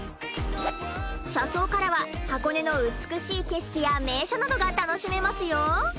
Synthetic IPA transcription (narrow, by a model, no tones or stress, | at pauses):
ɕaso̞ːkaɾaβahako̞ne̞no̞ɯ̟t͡sɨ̥kɯ̟ɕiːke̞ɕi̥kʲijame̞ːɕonad̪o̞ɡat̪ano̞ɕime̞masɨjo̞